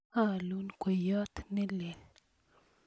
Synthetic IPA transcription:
a˦˨lu˦nkʷe˨jɔ˦t̪ne˦le˨l

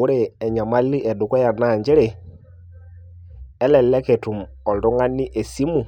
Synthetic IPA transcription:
u˦ɾe˦ɛ˨ɲa˨ma˦li˦ʔɛ˨du˨kɔ˦ja˨na˨ɲd͡ʒe˦ɾe˨ | ɛ˦lɛ˨lɛ˦ke˨tu˨m | ɔ˨ldo˦ŋa˦ni˦ʔe˨si˦mu˨

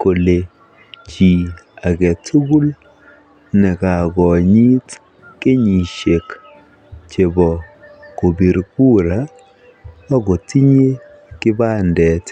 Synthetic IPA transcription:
ko˨le˨ | t͡ʃi˨a˨ɡɛ˨tʰu˦ɡu˦l | nɛ˨ka˨ɡɔ˨ɲi˦t | ke˦ɲi˨ʃe˨k | t͡ʃe˨bɔ˨ko˨bi˨ɾku˦ɾa˦ | a˦ɡo˨ti˦ɲe˦ | kɪ˦ba˦ndɛ˨t

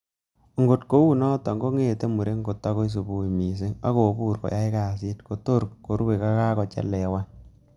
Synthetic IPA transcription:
ŋɡo˨tko˦wu˦nɔ˦tɔ˨ŋɡo˦ŋe˦˨te˦mu˨ɾe˦ŋ˦ɡo˨tːa˦ko˦i˦s̬u˨bu˨i˨mi˨s̬e˦ŋa̰˦ko˨pu˦˨ɾkɔ̰˨ja˦i˦ka˨si˦tko˨to˦ɾko˨ɾwe˨ka˦ka˦kɔ˨t͡ʃɛ̰˦lːɛ˨˦wa˦n

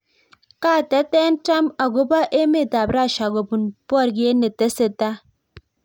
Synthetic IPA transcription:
ka˦˨tɛ˦tɛ˦n˦ta˦ma˨ɡo˦ba˦ʔe˦me˦˨ta˨bɾa˦˨ʃa˨ɡo˨bu˨npɔ˦˨ɾɡe˦ne˨te˦se˨ta˦

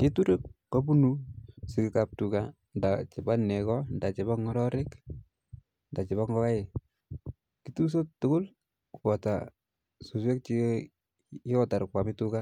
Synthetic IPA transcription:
ke˦tu˦ɾe˦kːo˦pu˦nusɪ˨kɪ˨ka˨p̚tu˨ka˨ | ndat͡ʃɪ˨ba˦ne˨kɔnda˨t͡ʃɪ˨ba˦ŋɔ˦ɾɔ˦ɾɪ˦k | nda˨t͡ʃɪ˨ba˦ŋɡɔ˦ka˦ɪ˨ | kitu˦s̬o˦tːʊ˦kʊ˦l | ku̥pɔ˨ta˨ | su˨s̬we˦k̚t͡ʃi˦ | jɔ˦ta˨ɾkwa˨mɪtu˦ka˦

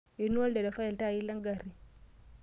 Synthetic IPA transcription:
i˨nu˦a˦lde˨da˨fa˦i˨lta˦˨i˦la˦ŋɡa˨ɾi˨

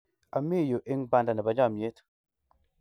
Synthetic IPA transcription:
a˨mi˦˨jo˨ʔe˦ŋba˦˨nda˨nɛ˨ba˨d͡ʒa˦˨mje˦t

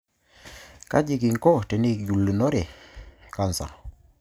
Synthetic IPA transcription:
ka̰˦d͡ʒi˨ki˨ŋkɔ˦˨tɛ˨ne˦˨kɟu˨lːə˨nɔ˦ɾɛ˨ka˨nsa̰˨

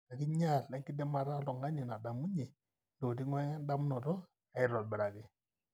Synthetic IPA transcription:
a˨ki˦ɲa˦˨lːɛ˦ŋki˦dɛ˦ma˨ɾa˦lɔ˨ŋa˦ɲi˨na˨da˨mu˦ɲe˨ | ndo˨di˦ŋwe˦da˦m˦nɔ˨tɔ˦ | a˨ɪ˨ɾɔ˨lbi˨ɾa˨ɡi˦

